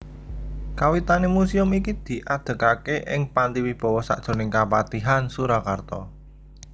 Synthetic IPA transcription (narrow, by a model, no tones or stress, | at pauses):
kawit̪anemusiʊmikid̪̥i̤ʔad̪̥ə̤kakeʔɪŋpand̪iwib̥ɔ̤wɔsa̰ʔd̥ʒ̥o̤nɪŋkapat̪iɦansuɾakart̪ɔ